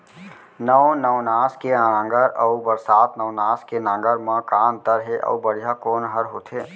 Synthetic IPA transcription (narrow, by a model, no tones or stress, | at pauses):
nəʋnəʋnaːskeãːŋɡəɾəubəɾsaːt̪nəʋnaːskenãːŋɡəɾmãːkaːnt̪əɾɦeʔɐ̰ubəɽ̤ijakoːnɦəɾɦoːt̪ʰɦeː